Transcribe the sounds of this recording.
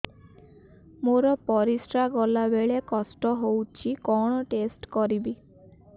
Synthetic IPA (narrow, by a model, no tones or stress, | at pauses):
moɾɔpɔɾisɾaɡɔlabeɭekɔsʈɔɦowt͡ʃʰikɔɽ̃ɔʈesʈkɔɾibi